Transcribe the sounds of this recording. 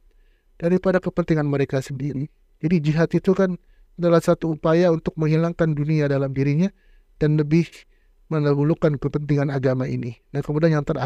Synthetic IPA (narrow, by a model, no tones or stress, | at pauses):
d̥aɾipadakəpənt̪iŋanməɾekasəndiɾi | d͡ʒadid͡ʒiɦat̪it̪ukan | adalahsat̪uːpajaunt̪ʊk̚məŋɦilaŋkanduniadalamdiɾiɲa | d̥anləbɪh | mənəbulukankəpənt̪iŋanaɡamaḭnidankəmudanjaŋt̪əɾa